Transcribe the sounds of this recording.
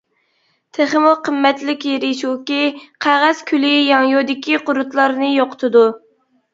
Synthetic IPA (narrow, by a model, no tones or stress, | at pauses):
t̪ʰeχəmʊqʰəmːɛt̪lɪkʲjeɾɪʃukʲiqʰæʁæz̥kʲʰylɪjɑŋjod̪ɪkʲʰiqʊɾʊt̪lˠɑɾnɨjoqʰə̥t̪ʰɨd̪u